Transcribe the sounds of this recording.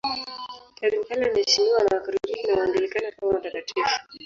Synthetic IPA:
kaɾimkalaamɛʃiniwanawakaɾiɾiinaandɛlikanakamamatakatʰifu̥

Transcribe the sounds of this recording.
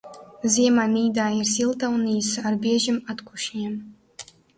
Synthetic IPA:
ziɛmaniːd̪aːirsilˠt̪ʰawniːsarbiɛʒɪmat̪kʷʰʊʃnʲiɛm

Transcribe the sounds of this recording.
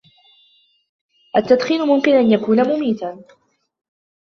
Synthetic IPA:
ʔat̪ːad̪xiːlʊmʊmkɪnʔanjakuːnamʊmiːt̪a

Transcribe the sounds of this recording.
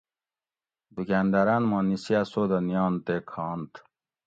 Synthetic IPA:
d̪ukænd̪ɐɾanmɑ̃nisiasoːd̪ɐnijɑːnt̪ekʰɑːnt̪

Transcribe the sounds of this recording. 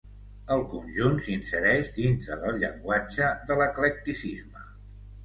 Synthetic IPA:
əlˠkunʲʒunsinsəɾɛʒd̪int̪ɾəðəlˠʎə̰ŋɡwad͡ʒəðələklək̚t̪isizmə

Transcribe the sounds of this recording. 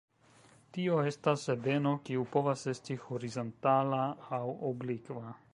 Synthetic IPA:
tio̞e̞stasːebe̞no̞kiupo̞vase̞stihoɾizontalaːwoblikva

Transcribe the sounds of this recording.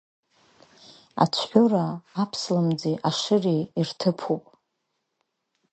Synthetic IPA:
a̰t͡ʃʷʰħʷᶣʊraːpʰslamd͡zeʔaʂɨreirtʰɨpʰupʼ

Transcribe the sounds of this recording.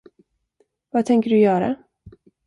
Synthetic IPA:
vat̪ʰɛŋkəɖɵjœːɾa̰

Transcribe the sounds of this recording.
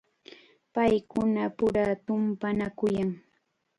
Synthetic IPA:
pajkʊnapʊɾat̪ʊmpanakʊjaŋ

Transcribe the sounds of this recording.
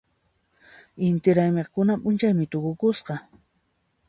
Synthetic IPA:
ɪnt̪ɪɾajmeχkʊnapʼʊnt͡ʃajmɪt̪ʊkʊkʊsqɑ

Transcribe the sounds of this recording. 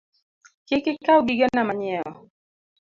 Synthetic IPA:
kɪkɪkawɡiɡɛnamaɲɪɛɔ

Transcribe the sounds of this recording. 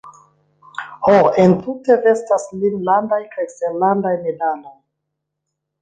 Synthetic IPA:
hoentute̞ɾe̞staslinlandajkajsenlandajmedalo̞j

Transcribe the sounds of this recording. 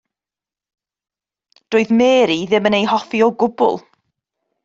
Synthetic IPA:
d̥oːɨðmeːɾiðɪmənejhɔfiɔɡʊbʊ̰lˠ

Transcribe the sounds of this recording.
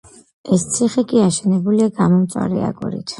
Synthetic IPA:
ɛst̪sʰiχikʼiaʃɛnɛbuliaɡamɔmt̪sʼwa̰ɾɛ̰a̰ɡṵɾḭt̪ʰ

